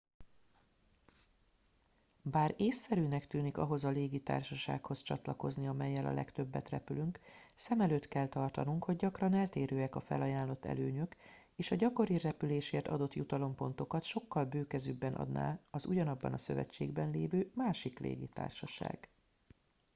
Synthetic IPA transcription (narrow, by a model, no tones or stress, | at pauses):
baːɾeːsːɛɾyːnɛkt̪yːnikɒ̰ɦo̞zɒleːɡit̪a̰ːrʃɒʃa̰ːkho̞st͡ʃɒ̰t̪lɒko̞zniɒmɛjːɛlɒ̰lʔɛ̰kt̪ø̞bːɛt̪rɛ̰pylyŋksɛmɛløːt̪kɛlt̪ɒrt̪ɒnuŋkho̞ɟɟɒkrɒnɛlt̪eːɾøːɛkɒfɛ̰lɒjaːnlo̞t̪ːɛ̰løːɲøk | eːʃɒɟɒko̞ɾirɛpyleːʃeːrt̪ɒ̰d̪o̞t̪jut̪ɒlo̞mpo̞nt̪o̞kɒt̪ʃo̞kːɒlbøːkɛzybːɛnʔɒ̰d̪na̰ːɒzuɟɒnɒbːɒ̰nɒsø̞̰vɛ̰t͡ʃːḛːɡbɛnleːvøːmaːʃiklḛːɡit̪a̰ːrʃɒʃa̰ːɡ̥